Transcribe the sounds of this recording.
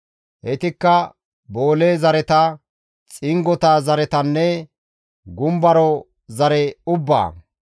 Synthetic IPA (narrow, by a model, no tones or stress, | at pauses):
ʔɛt̪ɪkːɐ | bo̞ːleːzɐɾɛt̪ɐ | t͡sʼɪŋɡɔt̪aːzɐɾɛt̪ɐnːɛ | ɡʊmbɐɾɔ | zɐɾɛʊbːa̰ː